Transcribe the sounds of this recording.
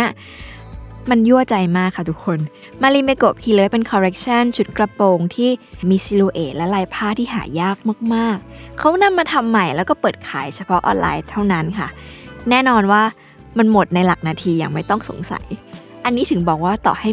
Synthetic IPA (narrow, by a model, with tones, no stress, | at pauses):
ɐ˥˩ | ma˧nju˥˩ət͡ɕa˧jmaː˥˩kʰːa˥˩t̪ʰu˦˥kʰːo˧n | maː˧liː˧me˧ko˨˩p̚kʰiː˧lɤː˦˥jpe˧nkʰɔː˧ɾe˦˥k̚t͡ɕʰa˥˩nt͡ɕʰu˦˥t̪̚kla˧poː˧ŋt̪ʰiː˥˩miː˧si˧luː˧ʔeː˨˩t̪̚lɛ˦˥laː˧jpʰaː˥˩t̪ʰiː˥˩ɦa̰ː˩˦jaː˥˩k̚ma˥˩k̚maː˥˩k̚ʰːa˦˥wna˧mːaː˧t̪ʰa˧mːa˨˩jlɛ˦˥wkɔː˥˩pɤː˨˩t̪̚kʰa̰ː˩˦jt͡ɕʰa˧pʰɔ˦˥ʔɔ̰ː˧nlʔa̰ː˧jt̪ʰa˥˩wna˦˥nkʰa̰˥˩nɛː˥˩nɔː˧nwaː˥˩ | ma˧nmo˨˩t̪̚na˧jla˨˩k̚naː˧t̪ʰiː˧ja̰ː˨˩ŋma˥˩jt̪ɔ˥˩ŋso̰˩˦ŋsa̰˩˦jʔa˧nːi˦˥t̪ʰɯ˨˩˦ŋbɔː˨˩k̚waː˥˩t̪ɔ̰ː˨˩ha˥˩